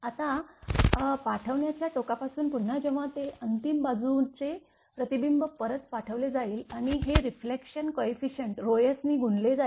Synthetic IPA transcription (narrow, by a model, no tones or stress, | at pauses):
at̪a | paʈʰəʋɳjat͡ɕjaʈokapasuːnpuɳ̤ːad͡ʑeʋat̪eʔənt̪imbad͡zuːt͡se | pɾət̪ibimbəpəɾət̪paʈʰəʋled͡zaiːlaɽ̃iɦeɾiflekɕənkoifiɕəɳʈɾojəsniːɡʱuɳled͡za